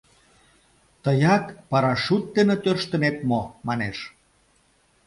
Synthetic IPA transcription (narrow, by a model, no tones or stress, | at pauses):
t̪əjɑkpɑɾɑʃut̪̚ːenət̪ørʃt̪ə̆net̪momɑneʃ